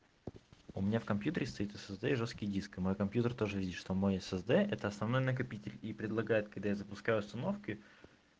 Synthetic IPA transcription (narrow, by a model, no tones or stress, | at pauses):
ʊmʲɪnʲafkɐmpʲjut̪əɾʲɪst̪ɐit̪əsɛzd̪ɛiʐoskʲɪjdʲiskɨmo̞jkɐmpʲjut̪ərt̪o̞ʐɨvʲidʲɪt̪ʂt̪o̞mo̞jɛsɛzd̪ɛʔɛt̪əɐsnɐvnojnək̬ɐpʲitʲɪlʲipɾʲɪd̪lˠɐɡajɪt̪̚kɐɡ̚d̪ajazəpʊskajʊʊst̪ɐno̞fkʲɪ